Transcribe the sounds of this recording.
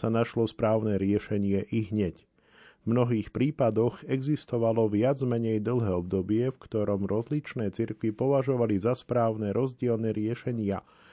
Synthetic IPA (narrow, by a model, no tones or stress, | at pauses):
sanaʃlɔspɾaːʊnɛɾɪɛʃɛɲɪɛʔiɦɲɛc | vmnɔɦiːxpɾiːpad̪ɔɣɛɡzist̪ɔʋalɔʋɪad͡zmɛɲɛjd̪l̩ˠɦɛːɔb̚d̪ɔbɪɛfkt̪ɔɾɔmɾɔzlit͡ʃnɛːt͡siɾkʋipɔʋaʒɔʋalizaspɾaːʊnɛɾʔɔzɟɪɛlnɛɾɪɛʃɛɲɪa